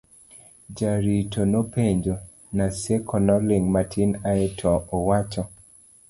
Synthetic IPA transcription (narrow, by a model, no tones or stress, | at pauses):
d͡ʒaɾitonopeɲd͡ʒo | nasɛkʰɔnɔlɪŋmatʰinaɛtʰɔɔwat͡ʃɔ